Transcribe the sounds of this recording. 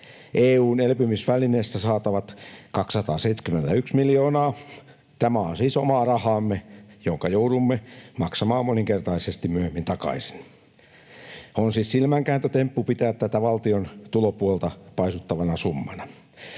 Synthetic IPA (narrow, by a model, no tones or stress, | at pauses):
ʔeːuːnelpymisʋælineːst̪æsɑːt̪ɑʋɑt̪kɑksːɑt̪ɑːseit̪sʲkymːent̪æyksmiljoːnɑː | t̪æmæonsiːsomɑːrɑhɑːmːejoŋkɑjouɾumːemɑksɑmɑːmoniŋkert̪ɑisest̪immyøhemːint̪ɑkɑ̰isi̥n | onsiːssilmæŋkæːnt̪øt̪empːupit̪æːt̪t̪æt̪æʋɑlt̪iont̪ulopuolt̪ɑpɑisut̪ːɑʋɑnɑsumːɑnɑ